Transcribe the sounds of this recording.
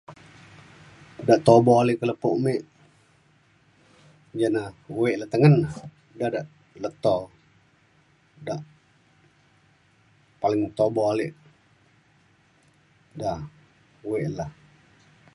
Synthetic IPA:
daʔt̪obɔalɪʔkələpuʔmeʔ | d͡ʒanauweʔlaht̪əŋən | dadaʔ | lət̪ɔ | daʔ | palɪŋt̪obɔalɪʔ | da | wɛʔlah

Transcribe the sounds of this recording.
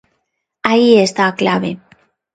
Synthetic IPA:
aiest̪aklaβe

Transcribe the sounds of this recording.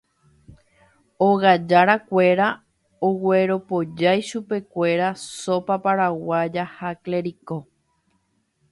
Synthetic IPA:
oɣad͡ʒaɾakʷe̞ɾa | owe̞ɾopo̞d͡ʒajʃupe̞kʷe̞ɾaso̞papaɾawad͡ʒahakle̞ɾiko̞

